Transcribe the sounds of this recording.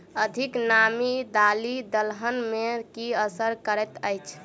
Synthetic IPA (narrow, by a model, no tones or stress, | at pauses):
əd̪ʱiknamid̪alid̪əlɦənmekiəsəɾkəɾɛt̪əjt͡ʃʰ